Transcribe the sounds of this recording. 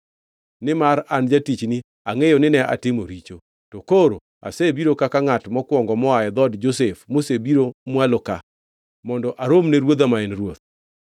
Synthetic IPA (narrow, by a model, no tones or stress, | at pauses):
nɪmaɾand͡ʒatit͡ʃni | aŋejonɪnɛʔa̰tɪmoɾit͡ʃo | tɔkoɾo | a̰sebiɾokakaŋatmɔkwɔŋɡɔmɔajɛd̪ɔdd͡ʒosefmosebiɾomwaloka | mɔndɔʔaɾomneɾwot̪amaɛnɾwot̪̚